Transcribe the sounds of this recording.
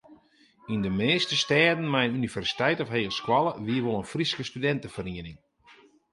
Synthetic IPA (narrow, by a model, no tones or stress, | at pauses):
indəmeːstəstɛːdn̩mɛjnynivɛrsi̥tɛjtɔfɦeːlˠskwalˠəʋiəʋolˠənfriskəstydɛntəfəriənɪŋ